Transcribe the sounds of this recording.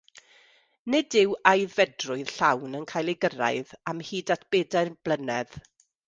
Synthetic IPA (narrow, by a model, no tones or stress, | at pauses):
nɪdɪwajðvɛdrʊɨð̥ɬawnənkʰaːjlˠeɡəɾa̰ɨðamhiːdatʰb̥eːdaɨrb̥lˠənɛð̥